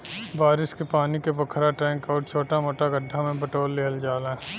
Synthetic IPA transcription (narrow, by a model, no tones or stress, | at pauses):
baːɾɪskepaːnikebɐkʰɾaʈɾɛ̃ːŋkɔːɾt͡ʃʰoːʈamoːʈaɡɐɖʱːamẽbɐʈoːlːeɦəld͡ʒaːlã